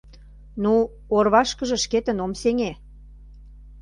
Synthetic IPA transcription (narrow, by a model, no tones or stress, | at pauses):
nu | orβɑʃkə̆ʒə̆ʃket̪ə̆nomseŋe